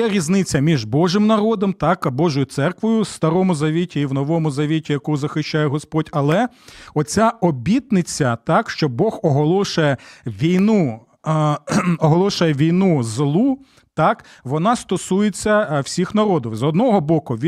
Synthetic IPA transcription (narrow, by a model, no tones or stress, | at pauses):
ɛɾʲiznɪt͡sʲːɐmʲiʒbɔʒɪmnɐɾɔd̪ɔmt̪ɑkbɔʒʊjʊt̪sɛrkʋɔjʊst̪ɐɾɔmʊzɐʋʲitʲiːwnɔʋɔmʊzɐʋʲitʲijɐkuzɐxɪʃt͡ʃajɛɦɔspɔdʲɐlˠɛ | ɔt͡sʲaɔbʲit̪nɪt͡sʲːɐt̪ɑkʃt͡ʃɔbɔxɔɦɔlˠɔʃʊjɛʋʲijnu | ɔɦɔlˠɔʃʊjɛʋʲijnuzlˠu | t̪ɑk | ʋɔnɑst̪ɔsujet͡sʲːɐwsʲixnɐɾɔd̪ɔwzɔd̪nɔɦɔbɔkʊʋʲi